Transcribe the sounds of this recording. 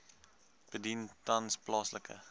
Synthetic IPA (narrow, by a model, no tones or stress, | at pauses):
b̥ədintɐnsplɑːsləkʰə̰